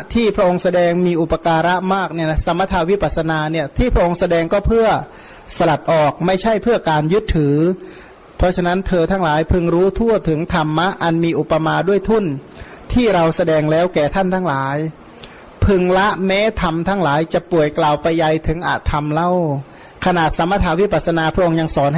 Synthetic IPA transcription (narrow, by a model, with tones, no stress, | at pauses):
t̪ʰiː˥˩pʰɾa˧˥ʔo˧ŋsa˧dɛː˧ŋmiː˧ʔu˨˩pːa˧kaː˧ɾa˦˥ʔmaː˥˩k̚ni˦˥˩ɐna˦˥sa˨˦mːa˧t̪ʰaː˧wi˦˥paː˨˩t̪̚sa˧naː˧ni˥˩ɐt̪ʰiː˥˩pʰɾa˥ʔo˧ŋsa˧dɛː˧ŋkɔː˥˩pʰɯ˥˩ɐ | sa˧la˨˩t̪̚ʔɔː˨˩k̚ma˥˩jt͡ɕʰa˥˩jpʰɯː˥˩ɐkaː˧njɯ˦˥t̪ʰːɯː˩˦ | pʰɔ˦˥t͡ɕʰa˧na˦˥nt̪ʰɤː˧t̪ʰaː˦˥ŋlaː˨˦jpʰɯ˧ŋɾuː˦˥t̪ʰu˥˩ɐt̪ʰɯ˩˦ŋt̪ʰa˧mːa˦˥ʔa˧nmiː˧ʔu˨˩pːa˧maː˧du˥˩əjt̪ʰu˥˩n | t̪ʰiː˥˩ɾa˧wsa˧dɛː˧ŋlɛː˦˥˩wkɛː˨˩t̪ʰa˥˩nt̪ʰaː˧˥ŋlaː˨˦j | pʰɯ˧ŋla˦˥ʔmɛː˦˧˥t̪ʰa˧mt̪ʰaː˧˥˩ŋlaː˨˦jt͡ɕa˨˧˩pu˨˩əjklaː˨˩wpa˧jːa˧jt̪ʰɯ˨˩˦ŋʔa̰ː˨˩t̪ʰːa˧mla˧˥˩w | kʰa˧na˨˩sa˨˦mːa˧t̪ʰaː˧˥wi˦˧˥pa˨˩t̪̚sa˧naː˧pʰʔo˧ŋɲa˧ŋsɔː˨˦n